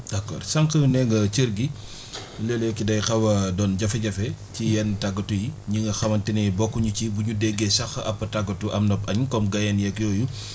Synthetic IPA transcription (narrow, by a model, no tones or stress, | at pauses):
dɐkːɔ̰ːɾsɐŋkɐjunɛŋɡɐt͡ʃəɾɡi | lɛljɔkidɐjxɐwɐdɔːnɟɐfɛɟɐfɛcijɛntɐɡːɐtujiɲiŋɡɐxɐmɐntinɛbɔkːuɲucibuɲudɛɡɛsɐxɐʔɐpːɐtaɡɐtuʔɐmnɔpɐɲkɔmɡɐjɛnjɛkjɔːju